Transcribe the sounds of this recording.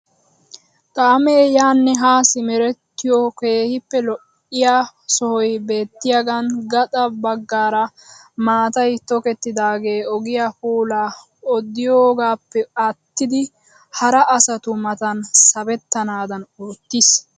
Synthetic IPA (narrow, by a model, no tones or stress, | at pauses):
kʼaːmeːjaːnːɛɦaːsɪmɛɾɛt̪ːɪjɔke̞ːhɪpːɛlɔʔːɪjaːsɔhɔjbe̞ːt̪ːɪjaɡɐnɡɐt̪ʼɐbɐɡːaːɾɐ | maːt̪ɐjt̪ɔkɛt̪ːɪd̪aːɡe̞ːɔɡɪjapuːlaː | ɔd̪ːɪjoːɡaːpːɛɐt̪ːɪd̪ɪ | hɐɾɐʔɐsɐt̪ʊmɐt̪ɐnsɐbɛt̪ːɐnaːd̪ɐnoːt̪ːɪs